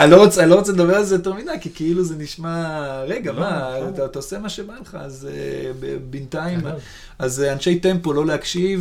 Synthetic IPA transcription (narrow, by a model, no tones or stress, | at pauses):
alo̞ʁot͡selo̞ʁot͡seledabe̞alzejote̞ʁmid̪ajkikiiluzeniʃmaʁe̞ɡamatat̪aose̞maʃebaleχa̰azḛbḛbintaim | azanʃe̞jte̞mpo̞lo̞leakʃiv